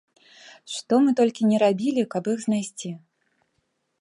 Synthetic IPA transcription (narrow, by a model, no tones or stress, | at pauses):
ʂt̪ɔmɨt̪ɔlʲkʲinʲɛɾabʲilʲikɐpixznajsʲt͡sʲi